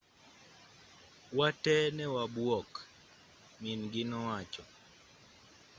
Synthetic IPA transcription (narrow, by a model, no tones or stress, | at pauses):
watɛnɛwabwɔk | minɡɪnɔwat͡ʃɔ